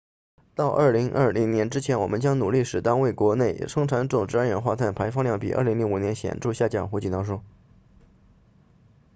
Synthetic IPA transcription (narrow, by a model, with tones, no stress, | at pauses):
t̪ɑ˥˧ʊʔɐ˞˥˩li˧˥ŋʔə˞˥˩li˧˥ŋnjɛ˧˥nʈ͡ʂɻ̩˥t͡ɕʰjɛ˧˥nwɔ˨˩mə˦nt͡ɕjɑ˥ŋnu˨˩li˥˩ʂɻ̩˨˩t̪ɑ˥ŋwe˥˩ɪkwɔ˧˥ne˥˩ɪʂɤ˥ŋʈ͡ʂʰa˧˥nʈ͡ʂʊ˨˩ŋʈ͡ʂɻ̩˥a˥nɻə˧˥nxwa˥˧t̪ʰa˥˩npʰa˧˥ɪfɑ˥ŋljɑ˥˩ŋpḭ˨˩ʔə̰˥˩li˧˥ŋli˧˥ŋu˨˩njɛ˧˥nɕjɛ̰˨˩nʈ͡ʂu˥˧ɕja˥˩t͡ɕjɑ̰˥˩xu˧˥t͡ɕi˨˩nt̪ɑ˥˧ʂ̬wɔ˥